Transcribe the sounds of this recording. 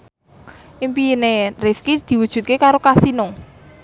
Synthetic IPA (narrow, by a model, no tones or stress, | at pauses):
ʔimpinerifkid̪̥i̤wud̥ʒ̥ṳt̪̚kekaɾokasino